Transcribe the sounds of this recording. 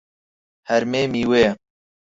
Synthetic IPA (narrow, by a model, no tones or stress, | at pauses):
hɛɾmeːmiːweː